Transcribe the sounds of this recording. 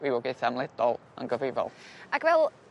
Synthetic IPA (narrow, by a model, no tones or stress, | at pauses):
wiwɔɡɪθamlˠɛd̥ɔlˠ | ə̰nɡəvɪvɔ̰lˠakvɛlˠ